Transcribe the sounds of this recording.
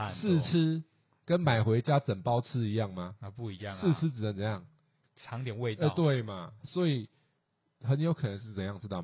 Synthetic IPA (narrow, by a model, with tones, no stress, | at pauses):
s̩˥˨t͡s̩ʰ˦˥ | kə˦nma˨˩ɪxwe˧˦ɪt͡ɕja˦t͡sə˨˩ŋpɑ˦ʊt͡s̩ʰ˦˥i˧˦jɑ˥˨˩ŋma˨˩˧pu˥˩i˧˦jɑ˥˨ŋs̩˥˧t͡s̩ʰ˦t͡sɻ̩˨˩nə˩˦t͡sə˨˦jɑ˥˨˩ŋ | t͡sʰɑ˨˦ŋt̪jɛ˨˩nwe˥˧tt̪we˥˨˩ɪma˨swɔ˧˦˥i˨˩ | hə˨˦njo˧˦ʊkʰɤ˨nə˧˦ŋʂ̬ɻ̩˥˩t͡sə˨˩njɑ˥˩ŋt͡sɻ̩˥t̪ɑ˥˨ʊ